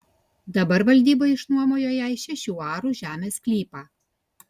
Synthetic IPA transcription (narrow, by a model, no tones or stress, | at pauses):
d̪ɐbɐɾʋɐlʲd̪ʲiːboɪʃnuɔmoːjoːjɛɪʃʲɛʃʲuːɑːɾuːʒʲæːmʲeːsklʲiːpɑ